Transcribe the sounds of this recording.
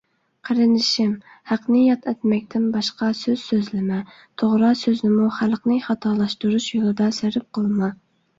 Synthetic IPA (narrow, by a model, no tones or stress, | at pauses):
qʰəɾɨnɪʃɪm | hæqnɨjɑt̪ʰɛt̪mɛk̚ʲt̪ʰɪnbɑʃqɑsøz̥søzlɪmɛ | t̪ʰoʁɾɑsøznɪmuχælqnɨχɑt̪ʰɑlˠɑʃt̪uɾuʃjolˠɨd̪ɑsæɾɪp̚qəlˠmɑ